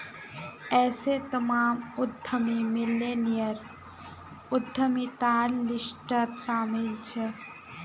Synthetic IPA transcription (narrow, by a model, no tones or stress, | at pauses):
ɛːset̪ɐmaːmʊd̪ʱːəmimɪleːnijəɾ | ʊd̪ʱːəmit̪aːllɪsʈət̪saːmɪlt͡ʃʰe